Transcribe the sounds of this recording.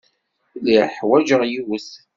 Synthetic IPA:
liħwæd͡ʒəʁjiwəθ

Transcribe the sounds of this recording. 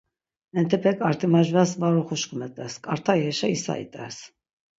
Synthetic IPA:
ɛnt̪ʰɛpʰɛkʼaɾt̪ʰʼimaʒvasvaɾuχuʃkʰumɛt̪ʼɛskʼaɾt̪ʰajɛʃaisa̰ḭt̪ʼɛ̰s

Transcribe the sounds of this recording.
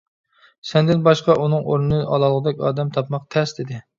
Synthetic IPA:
sɛnd̪ɪnbɑʃqɑʔunɨŋoɾnɨnɨʔɑ̰lˠɑlˠəʁəd̪ɛkʲɑ̰ːd̪ɛmt̪ʰɑpmɑq̚t̪ʰɛsd̪ɪd̪ɪ

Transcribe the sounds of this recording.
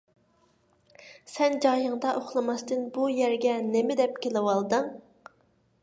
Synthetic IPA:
sɛnd͡ʒɑjɨŋd̪ɑʔoχlˠɨmɑst̪ɨnbujɛɾɡʲɛnɪmɪd̪ɛpkʲelɪwɑlˠd̪ɨŋ

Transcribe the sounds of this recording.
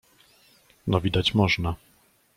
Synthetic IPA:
nɔvʲid̪at͡ɕmɔʐna

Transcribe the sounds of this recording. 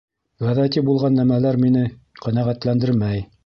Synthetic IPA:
ʁæðæt̪ibulˠʁɑnːæmælæɾminɘqænæʁæt̪lænd̪ɘɾmæj

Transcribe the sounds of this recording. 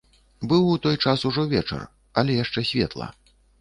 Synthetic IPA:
bɨwut̪ɔjt͡ʂasuʐɔvʲɛt͡ʂɐ̰r | ɐlʲɛjaʂt͡ʂɛsʲvʲɛt̪lˠɐ̰

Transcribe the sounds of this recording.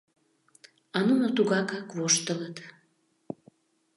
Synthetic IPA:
ɑnunot̪uɣɑkɑkvoʃt̪ələt̪

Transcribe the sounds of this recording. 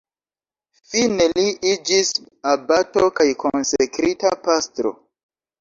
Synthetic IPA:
fine̞liid͡ʒis | abatokajkonsekɾitapastɾo̰

